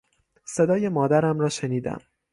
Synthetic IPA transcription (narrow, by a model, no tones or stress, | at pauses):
se̞d̪ɒːje̞mɒːd̪æɾæmɾɒːʃeniːd̪æ̰m